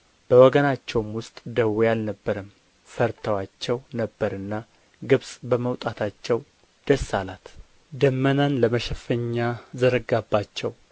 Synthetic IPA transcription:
b̥əwɔɡənat͡ʃːɛwmwʊst̪ʼd̪əwejalnəbːəɾəm | fəɾt̪ʰəwat͡ʃːɛwnəbːəɾɨnːa | ɡɨβsʼbəməwt̪ʼat̪ʰat͡ʃːɛw | d̪̥əsːalat̪ | d̪əmːənanləməʃɛfəɲːazəɾəɡabːat͡ʃːɛw

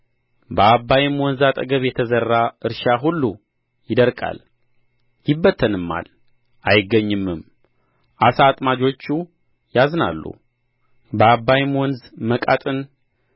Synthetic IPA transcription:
bəabːajɪmwɔnzat̪ʼəɡəβjɛt̪ʰəzərːaɨɾʃaɦulːu | jɪd̪əɾkʼa̰l | jɪbːət̪ʰːənɨmːa̰l | ʔajɪɡːəɲːɨmːɨm | ʔasat̪ʼmad͡ʒo̞t͡ʃːu | jazna̰lːṵ | bəabːajɪmwɔnzməkʼa̰t̪ʼɨn

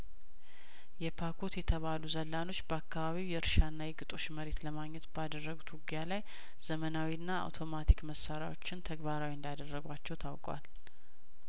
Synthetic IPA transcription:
jɛpʰakʰot̪jɛt̪ʰəβaluzəlːano̞t͡ʃːbəakʰːaβaβiwjɛɨɾʃanːajɪɡɨt̪ʼo̞t͡ʃːməɾe̞t̪ləmaɡɲɛt̪bəad̪ərːəɡut̪wuɡijalaj | z̥əmənawiɨnːaa̰wt̪ʰo̞mat̪ʰikməsːaɾja̰wo̞t͡ʃːɪnt̪ʰəɡbaɾawiɨnd̪ad̪ərːəɡʷat͡ʃːɛwt̪ʰawkʼwa̰l

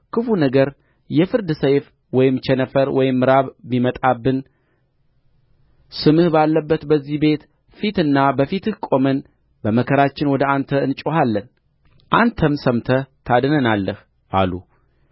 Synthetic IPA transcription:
kʰɨfunəɡəɾ | jɛfɨɾd̪ɨsəjf | wɔjɪmt͡ʃʰɛnəfəɾwɔjɪmːɨɾaβːimət̪ʼabːɨn | sɨmɨhbalːəbːət̪bəzːihbe̞t̪ | fit̪ɨnːabəfit̪ʰɨhkʼo̞mən | bəməkʰəɾat͡ʃːɪnwɔd̪əant̪ʰəɨnt͡ʃʼohalːən | ʔant̪ʰəmsəmt̪ʰət̪ʰad̪ɨnənalːəh | ʔa̰lu

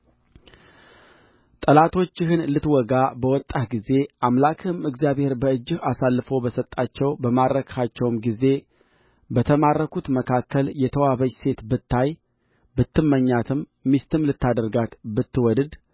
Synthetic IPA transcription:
t̪ʼəlat̪ʰo̞t͡ʃːɪɦɨnlɨt̪wɔɡabəwɔt̪ʼːahɡize̞ʔamlakʰɨmɨɡzjaβhe̞ɾbəɨd͡ʒːɪhasalːɨfo̞bəsət̪ʼːat͡ʃːɛwbəmaɾəkʰhat͡ʃːɛwmɡize̞ | bət̪ʰəmarːəkut̪məkʰakʰːəljɛt̪ʰəwaβəd͡ʒse̞t̪bɨt̪ʰːaj | bɨt̪ːɨmːəɲːat̪ʰɨmːist̪ɨmlɨt̪ʰːad̪əɾɡat̪bɨt̪ːɨwɔdɨd̪

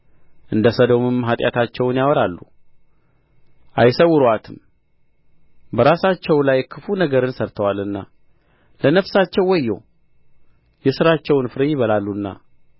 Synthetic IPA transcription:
ʔɨnd̪əsəd̪omɨmɦat̪ʼja̰t̪ʰat͡ʃːɛwnjawɔɾalːu | ʔajsəwːʊɾoat̪ʰɨm | bəɾasat͡ʃːɛwlajkʰɨfunəɡəɾɨnsəɾt̪ʰəwalɨnːa̰ | lənəfsat͡ʃːɛwːɔjːɛ̰w | jɛsɨɾat͡ʃːɛwnfɨɾɨjɪβəlalːunːa̰

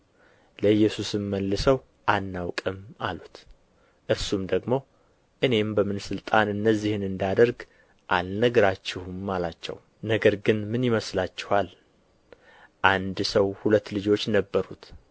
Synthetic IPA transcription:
ləjːɛsusɨmːəlːɨsəw | ʔanːawkʼɨma̰lut̪ | ʔɨɾsumd̪əɡmo̞ | ʔɨne̞mbəmɨnsɨlt̪ʼanɨnːəzːihɨnɨnd̪ad̪əɾɡ | ʔalnəɡəɾat͡ʃːɪhumːalat͡ʃːɛ̰w | nəɡəɾɡɨnmɨnjɪməslat͡ʃːɛ̥hal | ʔand̪səwhulət̪ːlɨd͡ʒo̞t͡ʃːnəbːəɾut̪

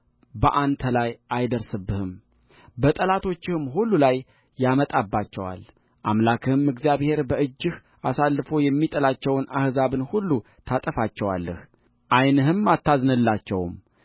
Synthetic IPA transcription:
bəʔant̪ʰəlajʔajd̪əɾsɨbːɨhɨm | bət̪ʼəlat̪ʰo̞t͡ʃːɪhɨmɦulːulajː | amət̪ʼabːat͡ʃːɛwa̰l | ʔamlakʰɨhɨmɨɡzijaβhe̞ɾbəɨd͡ʒːɪh | asalːɨfo̞jɛmːit̪ʼəlat͡ʃːɛwnʔahzaβɨnhulːu | t̪ʰat̪ʼəfat͡ʃːɛwa̰lːə̰h | ʔajnɨɦɨmːat̪ːaznɨlːat͡ʃːɛwm

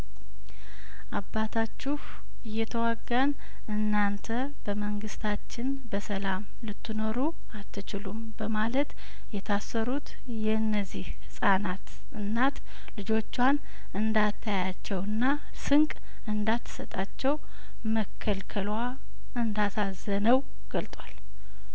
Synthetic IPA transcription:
ʔabːat̪ʰat͡ʃːuh | ɨjːɛt̪ʰəwaɡːan | ʔɨnːant̪ʰə | bəməŋɡɨst̪ʰat͡ʃːɪn | bəsəlam | lɨt̪ʰːɨno̞ɾu | at̪ːɨt͡ʃɪlumbəmalət̪ | jɛt̪ʰasːəɾut̪ | jɛnːəzːihhɨsʼanat̪ | ʔɨnːat̪ | lɨd͡ʒo̞t͡ʃːwan | ɨnd̪at̪ʰːajat͡ʃːɛwɨnːa | sɨŋkʼ | ɨnd̪at̪ːsət̪ʼat͡ʃːɛw | məkʰːəlkʰəlwa | ɨnd̪asazənəw | ɡ̥əlt̪ʼwal

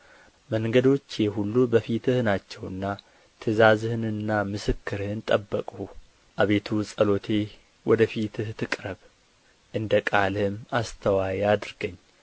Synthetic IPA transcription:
məŋɡəd̪o̞t͡ʃːjeɦulːubəfit̪ʰɨhnat͡ʃːɛwɨ̰nːa | t̪ʰɨzazhɨnɨnːamɨsɨkːɨɾhɨnt̪ʼəbːəkʼu | ʔaβe̞t̪ʰusʼəlo̞t̪ʰe̞ | wɔd̪əfit̪ʰɨht̪ʰːɨkʼɾəβ | ʔɨnd̪əkʼalɨmast̪ʰəwajɛad̪ɾɡəɲː

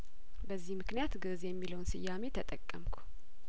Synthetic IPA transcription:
bəzːihmɨknijat̪ɡɨzjɛmːiləwnsɨjːame̞t̪ʰət̪ʼəkʼːəmkʷʰu̥

